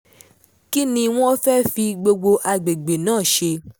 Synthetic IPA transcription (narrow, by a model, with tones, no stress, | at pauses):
ki˦nĩ˧w̃ɔ̃˦fɛ˦fi˧ɡ͡bo˧ɡ͡bo˧ʔa˧ɡ͡be˨ɡ͡be˨nãː˦˨ʃe˧